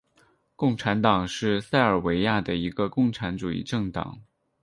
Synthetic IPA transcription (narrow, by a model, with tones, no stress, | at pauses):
kʊ˥˩ŋʈ͡ʂʰa˧˥nt̪ɑ˨˩ŋʂɻ̩˥˧sa˥˩ɪə˞˨˩we˧˥ɪja˥˩d̪ə˩i˧˥ɡə˧kʊ˥˩ŋʈ͡ʂʰa˧˥nʈ͡ʂu˨˩ḭ˥˧ʈ͡ʂɤ˥˩ŋt̪ɑ̰˨˩˦ŋ